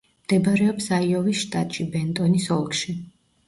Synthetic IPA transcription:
md̪̥ɛbaɾɛɔpsaiɔvisʃt̪ʼat̪ʼʃibɛnt̪ʼɔnisɔlˠkʃi

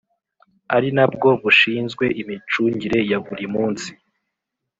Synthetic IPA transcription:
aɾinab̚ɡo̞βuʃiːnzɡwe̞ʔimit͡ʃuɲɟiɾe̞jaɡuɾimuːnsi̥

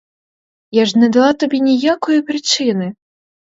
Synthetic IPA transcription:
jaʐnʲɐd̪alˠat̪abʲɛnʲɛjakujupɾɨt͡ʂɨnɨ

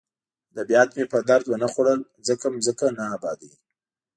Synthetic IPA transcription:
d̪əbjɑd̪mepəd̪aɾd̪wənaxoɽəl | zəkamzəkanaːbɑd̪i

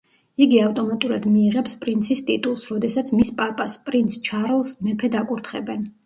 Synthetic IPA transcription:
iɡiaft̪ʼɔmat̪ʼuɾad̪miːʁɛpspʼɾint̪sʰist̪ʼit̪ʼulˠsɾɔd̪ɛsat̪sʰmispʼapʼaspʼɾint̪sʰt͡ʃʰaɾlˠsmɛpʰɛd̪akʼuɾt̪ʰχɛbɛn

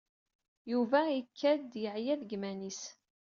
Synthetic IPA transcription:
juvæikʰːæd̪jəʕjæðɡmænis

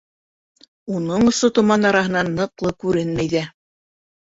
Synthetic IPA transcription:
unɤɴŏsot̪ŏmɑnɑɾɑɦɤ̆nɑnːɤ̆qlˠɤkʉɾɘnmæjðæ

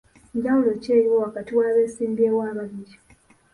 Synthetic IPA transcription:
ɟaulot͡ʃeɾiwowakatiwaβesiːmbiewaːβaɾid͡ʒo̥

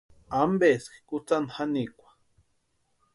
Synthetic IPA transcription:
ambeski̥kut͡sanhanikʷḁ

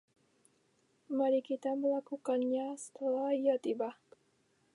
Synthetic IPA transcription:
maɾikit̪aməlakukanɲasə̥t̪əlahijat̪iba

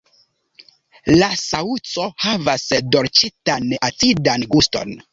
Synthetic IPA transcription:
lasaut͡so̞havasdo̞ɾt͡ʃitanʔat͡sidanɡusto̞̰n

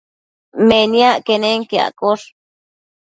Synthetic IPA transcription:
meniaʔkeneŋkia̰ʔkoɬ

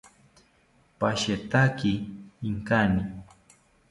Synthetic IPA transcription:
paʃet̪akiːŋkanɪ

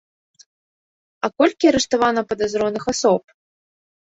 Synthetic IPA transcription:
ɐkɔlʲkʲiɐɾɛʂt̪avanɐpɐd̪azɾɔnɨxasɔp

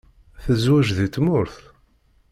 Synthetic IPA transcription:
θəzwæʒðit̪mʊɾθ

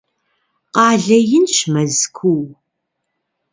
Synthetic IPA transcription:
qɑːɮɐjɪnʃmɐzkʷʰuw

